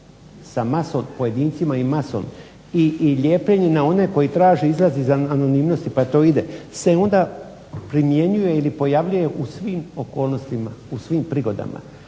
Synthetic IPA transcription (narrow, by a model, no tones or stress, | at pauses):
samaso̞mpo̞je̞d̪iːnt̪simaimaso̞̰m | iʎe̞ːpʎeɲenao̞ne̞ko̞jit̪ɾaːʒeizlˠazeizaano̞nimno̞st̪ipat̪o̞ːid̪ese̞o̞nd̪a | pɾimje̞ɲuje̞ilipo̞jaʋʎuje̞ʔusʋiːmo̞ko̞ːlˠno̞st̪imausʋiːmpɾiɡo̞d̪a̰ma̰